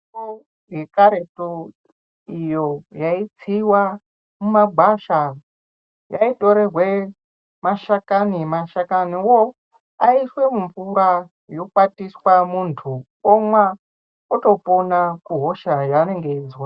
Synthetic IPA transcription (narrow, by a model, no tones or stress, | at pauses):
o | ɡekaɾeto | ijo̞jait͡siwa | mumaɡʱwaʃa | jaito̞ɾe̞rwe | maʃakanimaʃakaniwo | aiswe̞muɱvuɾa | jo̞kwatiswamuntʰu | omwa | oto̞ponakuɦoʃajane̞ŋɡeid͡zwa